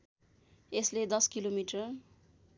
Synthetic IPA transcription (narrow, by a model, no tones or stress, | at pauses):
esled̪ʌskilomiʈʌ